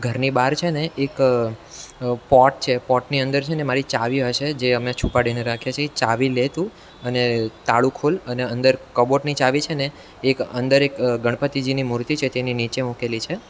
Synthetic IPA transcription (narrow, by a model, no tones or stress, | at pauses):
ɡʱəɾnibaɾt͡ʃʰeneʔːk | pɔʈ̚t͡ʃʰepɔʈniənd̪əɾt͡ʃʰenemaɾit͡ʃaʋiɦəʃed͡ʒeəmet͡ʃʰupaɽineɾakʰjat͡ʃʰet͡ʃaʋilet̪ũ | ənet̪aɭũkʰoləneənd̪əɾkəboʈnit͡ʃaʋit͡ʃʰeneː | kənd̪əɾekɡəɳ̃pət̪id͡ʒinimuɾt̪it͡ʃʰet̪eninit͡ʃemukelit͡ʃʰe